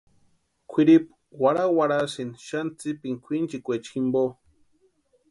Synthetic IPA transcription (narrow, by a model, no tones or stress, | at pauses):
kʷʰiɾip | waɾawaɽasinʃant͡sipiŋkʷʰint͡ʃikʷet͡ʃximbo